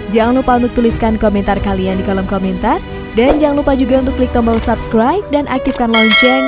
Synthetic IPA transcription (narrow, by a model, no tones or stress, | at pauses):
d͡ʒaŋanlupaunt̪ʊk̚t̪uliskankomɛnt̪arkaliandikalɔmkomɛnt̪ar | dand͡ʒaŋanlupad͡ʒuɡaunt̪ʊkːlik̚t̪ɔmbɔlsapskɾajp̚danʔak̚t̪ifkanlaint͡ʃɛ